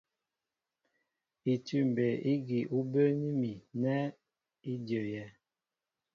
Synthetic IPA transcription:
i˨tʉ˦m˨be˨i˦ɡi˨ʔu˦bə˦ni˦mi˨nɛ˦ | i˦djo˨jɛ˨˦

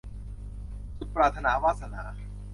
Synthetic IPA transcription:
t͡ɕʰu˨˦˥t̪̚pɾaː˧t̪ʰa˧naː˩˦waː˥˩t̪̚sa˧naː˩˦

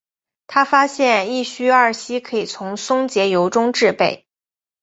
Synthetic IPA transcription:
t̪ʰa˥fa˥ɕjɛ˥˧ni˥˩ɕy˥ɐ˞˥˩ɕi˥kʰɤ˧˥i˨˩t͡sʰʊ˧˥ŋsʊ˥ŋt͡ɕjɛ˧˥jo˧˥ʊʈ͡ʂʊ˥ŋʈ͡ʂɻ̩˥˧pe˥˩ɪ

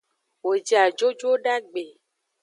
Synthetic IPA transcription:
wo˨d͡ʒi˨a˨d͡ʒo˦d͡ʒo˦ɖa˦ɡ͡be˨

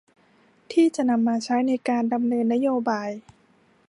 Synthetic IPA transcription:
t̪ʰiː˥˩t͡ɕa˨˩ʔna˧mːaː˧t͡ɕʰa˦˥jna˧jkaː˧nda˧mnɤː˧nːa˦˥joː˧baː˧j

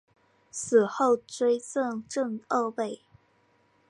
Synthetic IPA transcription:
sɹ̩˨˩xo˥˩ʊʈ͡ʂwe˥ɪt͡sə˥˧ŋʈ͡ʂɤ˥˧ŋə˥˧pe˥˩ɪ

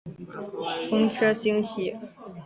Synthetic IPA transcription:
fɤ˥ŋʈ͡ʂʰɤ˥ɕi˥ŋɕi˥

